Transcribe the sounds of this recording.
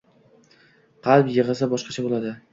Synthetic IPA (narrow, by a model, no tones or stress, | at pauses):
qɑlˠpjɪʁɨsabɒʃqɑt͡ʃʰabolad̪ɪ